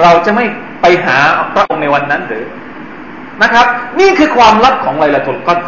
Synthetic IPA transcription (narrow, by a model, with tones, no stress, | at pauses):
ɾa˧wt͡ɕa˨˩ma˥˩j | pa˧jɦaː˩˦pʰɾa˦˥ʔo˧ŋna˧jwa˧nːa˦˥ndɯː˨˦ | na˦˥kʰɾa˦˥p̚niː˥˩kʰɯː˧kʰwaː˧mla˦˥k̚kʰːɔː˩˦ŋla˧jla˧t͡ɕo˧˩nkɔ˥˩